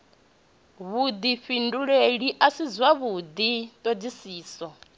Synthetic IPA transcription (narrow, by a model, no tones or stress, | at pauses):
βud̪iɸinduɺeɺiʔasid͡zwaβud̪it̪ʼod͡zisiːsɔ